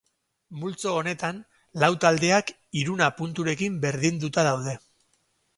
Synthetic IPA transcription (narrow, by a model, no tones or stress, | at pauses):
mult͡so̞ːne̞t̪an | lawt̪ald̪e̞ak | iɾunapunt̪uɾe̞kimbe̞ɾðind̪ut̪aðawðe̞